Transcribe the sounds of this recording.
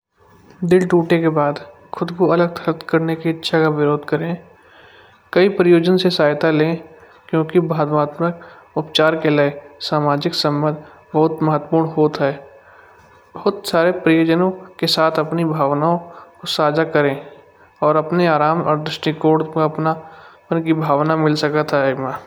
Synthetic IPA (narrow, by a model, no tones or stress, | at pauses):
d̪ɪlʈuːʈekebaːd̪ | xʰʊd̪kuɐləɡ̚t̪ʰəɾət̪kɐɾnekiɪtːʃʰakaʋɪɾoːd̪ʱkəɾẽ | kɐipɾəjoːd͡ʒənsesaːɦɪt̪alẽː | kjõːkibaːd̪maːt̪mək | ʊpt͡ʃaːɾkelaesaːmaːd͡ʒɪksə̃mbə̃nd̪ | bɐɦʊt̪mɐɦət̪ːəpuːɾɳɦoːt̪ɦɛː | bɐɦʊt̪saːɾepɾɐjoːd͡ʒənõkesaːt̪ʰɐpnibʱaːʋnaːõkosaːd͡ʒakɐɾẽ | ɔːɾɐpneaːɾaːmɔːɾd̪ɾɪʃʈikoːɖkaɐpnapnkibʱaːʋnamɪlsɐkat̪ʰaɪmaː